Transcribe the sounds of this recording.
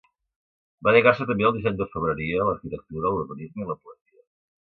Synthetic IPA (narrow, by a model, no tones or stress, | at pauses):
baləɣas̬ət̪əmbeəlˠd̪izɛɲd̪əfəβ̞ɾəɾiələɾkit̪ək̚t̪uɾəluɾβənizməiləpuəziə